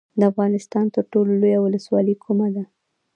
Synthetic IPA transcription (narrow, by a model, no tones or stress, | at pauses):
d̪əafɣɑnɪst̪ɑnt̪əɾʈololojawʊləswɑləkʰumad̪a